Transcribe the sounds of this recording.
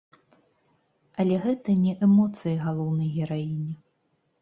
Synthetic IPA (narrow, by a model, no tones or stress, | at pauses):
ɐlʲɛɣɛt̪ɐnʲɛʔɛmɔt̪sɨjɐɣalˠɔwnɐjɣʲɛɾainʲi